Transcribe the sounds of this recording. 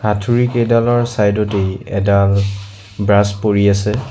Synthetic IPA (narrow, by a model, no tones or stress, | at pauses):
hatʰuɹikedalɔɹsajdɔtejɛ̰dal | bɹaspoɹiasɛ